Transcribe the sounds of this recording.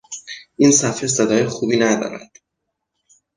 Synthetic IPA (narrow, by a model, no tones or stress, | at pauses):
ʔiːnsæfesed̪ɒːjexubiːnæd̪ɒ̰ːɾæ̰d̪̥